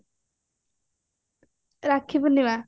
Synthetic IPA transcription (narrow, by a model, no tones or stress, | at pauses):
ɾakʰibɔniwa